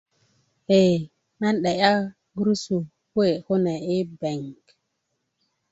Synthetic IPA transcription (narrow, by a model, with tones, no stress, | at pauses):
he˨ | na˦nɗe˨ja˦ | ɡɾu˦su˨ | kwe˦˨ho˦ne˨i˦be˨ŋk